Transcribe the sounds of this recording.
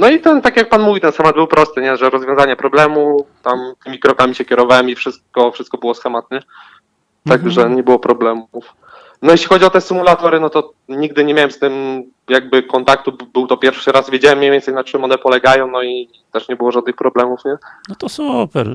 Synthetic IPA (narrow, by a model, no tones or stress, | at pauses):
nɔit̪ɛnt̪akʲjak̚panmuvʲit̪ɛnsxɛmad̪̚bɘwpɾʔɔst̪ɘɲɛʐɛɾɔzvjɔ̃zaɲɛpɾɔblɛmut̪amt̪ɘmʲikɾɔkamʲiɕɛkʲjɛɾɔvawɛmifʂɘst̪̚kɔfʂɘst̪̚kɔbɘwɔsxɛmat̪̚ɲɛ | t̪aɡʐɛɲɛbɘwɔpɾɔblɛmuf | nɔjɛɕlʲixɔd͡ʑiɔt̪ɛsɘmulat̪ɔɾɘnɔt̪ɔ | ɲiɡ̚d̪ɘɲɛmʲjawɛmst̪ɘm | jaɡ̚bɘkɔnt̪ak̚t̪ubɘwt̪ɔpʲjɛɾfʂɘɾazvʲjed͡ʑawɛmɲejvʲɛnsɛjnat͡ʂɘmɔnɛpɔlɛɡajɔ̃w̃nɔi | t̪ɛʂɲɛbɘwɔʐad̪nɘxpɾɔblɛmufɲɛɔt̪ɔsupɛɾ